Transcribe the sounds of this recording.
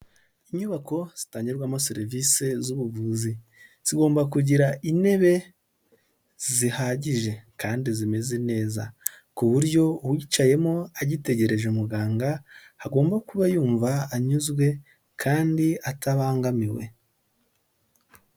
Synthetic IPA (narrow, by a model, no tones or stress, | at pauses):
iɲuβako̞z̥itaːɲɟiɾɾɡwamoseɾvise̞zuβuvuːzi | z̥iɡo̞ːmbakuɟiɾaʔine̞βe̞ | zzihaɟiʒe̞kaːndizime̞zene̞ːza | kuβuɾjo̞wiːt͡ʃaje̞moaɟite̞ɟe̞ɾe̞ʒeumuɡaːŋɡahaɡo̞ːmbakuβajuːɱvaːɲuzɡwe̞ | kʰaːndiataβaːŋɡamiwe̞̰